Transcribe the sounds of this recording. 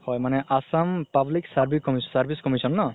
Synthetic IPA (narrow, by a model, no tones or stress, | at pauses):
hɔjmanɛʔasampabliksaɹbʱikːɔmissaɹbʱiskɔmisɔnːɔ